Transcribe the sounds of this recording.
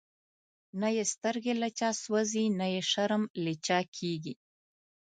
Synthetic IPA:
najest̪əɾɡelat͡ʃɑswazinajeʃaɾəmlet͡ʃɑkʰeɡi

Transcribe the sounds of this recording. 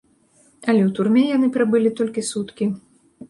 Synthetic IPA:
ɐlʲɛwt̪urmʲɛjanɨpɾɨbɨlʲit̪ɔlʲkʲisut̪kʲi

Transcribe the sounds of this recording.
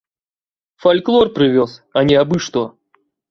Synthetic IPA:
fɐlʲklˠorpɾʲɪvʲosɐnʲɪɐbɨʂt̪o

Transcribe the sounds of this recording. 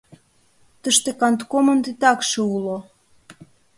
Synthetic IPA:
t̪əʃt̪ekɑnt̪komənt̪it̪ɑkʃeulo

